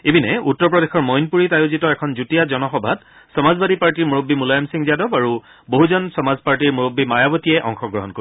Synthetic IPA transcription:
ebinɛutːɔɹpɹɔdexɔɹmɔjnpuɹitajozitɔɛkʰɔnzutijazɔnɔxɔbʱat | sɔmazbadipaɹtiɹmuɹobːimulajɔmsiŋzjadɔbaɹu | boɦuzɔnsɔmazpaɹtiɹmuɹobːimajabɔtijɛʔɔ̰ŋxɔɡɹɔɦɔnkoi

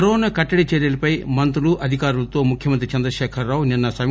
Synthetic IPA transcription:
ɾɔːnakɐʈːɐɽit͡ʃeːɾjɐlɐpɐjmɐnt̪ɾuluʔɐd̪ʱikaːɾulɐt̪o̞ːmukʰjɐmɐnt̪ɾit͡ʃɐnd̪ɾɐʃɛːkʰɐɾːaːwuninːɐsɐ

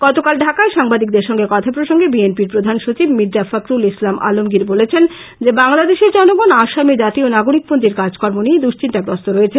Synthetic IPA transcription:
ɡ̥ɔt̪okalɖʱakaeʃaŋbad̪ik̚d̪eɾʃɔŋɡekɔt̪ʰapɾoʃoŋɡebienpiɾpɾod̪ʱanʃot͡ɕibmidd͡ʑafakɾulislamʔa̰lomɡiɾbolet͡ɕʰen | d͡ʑebaŋlad̪eʃeɾd͡ʑɔnoɡonaʃamid͡ʑat̪ionaɡoɾik̚pont̪ɾiɾkaɾd͡ʑkɔɾmonied̪uʃt͡ɕinʈaɡɾɔst̪oɾoet͡ɕʰe

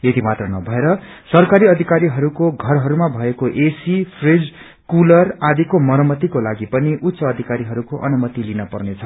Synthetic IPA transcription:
jet̪imat̪rʌnʌbʱʌeɾʌ | sʌrkaɾiʌd̪ʱikaɾiɦʌɾukoɡʱʌrɦʌɾumabʱʌekoʔesipʰred͡z | kulʌrad̪ikomʌɾʌmʌt̪ikolaɡipʌniʔut̪ːsʌːd̪ʱikaɾiɦʌɾukoʔʌ̰numʌt̪ilinʌpʌ̰rnet͡sʰʌ

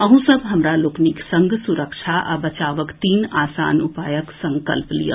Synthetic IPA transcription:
ɐɦũsɐbɦɐmɾaloːkniksɐ̃ŋɡʱsuɾəkʃʰaʔa̰bɐt͡ʃaːʋəkt̪iːnaːsa̰ːnʊpaːjəksɐ̃ŋkə̰lplḭjə̰

